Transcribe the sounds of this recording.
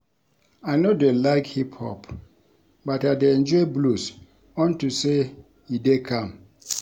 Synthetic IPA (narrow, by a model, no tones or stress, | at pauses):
anodelaɪkhiphɔ̰p | bataɪdeɛ̃nd͡ʒɔɪblus | ɔ̃ntuse | idekʰãm